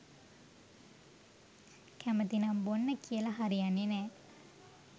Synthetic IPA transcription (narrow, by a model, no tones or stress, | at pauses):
kʰæmət̪inambonːəkʰiəlaɦaɾijanːenɛː